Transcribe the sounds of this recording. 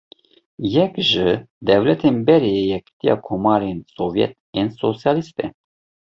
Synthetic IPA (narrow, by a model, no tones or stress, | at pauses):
jɛkʒɨd̪ɛwlɛt̪ʰenbɛɾeejɛkt̪ijɑ̰ːkʰomɑːɾensovjɛ̰t̪̚ensosjɑːlist̪ɛ